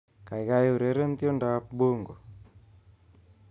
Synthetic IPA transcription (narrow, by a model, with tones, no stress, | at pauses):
ka˨ɪ˨ɣa˦jo˦˨ɾe˨˦ɾe˦nt̪jɔ˦nda˦p̚ɓo˦ŋɡo˨